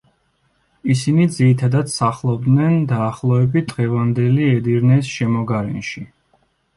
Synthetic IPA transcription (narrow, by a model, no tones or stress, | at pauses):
isinid̪ziɾit̪ʰad̪ad̪saχlˠɔb̚d̪nɛnd̪aːχlˠɔɛbit̪̚ʰd̪ʁɛvand̪ɛliɛd̪iɾnɛsʃɛmɔɡaɾɛnʃi